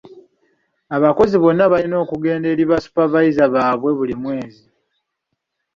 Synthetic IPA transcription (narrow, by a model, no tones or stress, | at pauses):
aβako̞ziβo̞nːaβalino̞ːkuɡe̞ːnde̞ːɾiβasu̥paβajizaβaːβwe̞βulimwe̞ːzi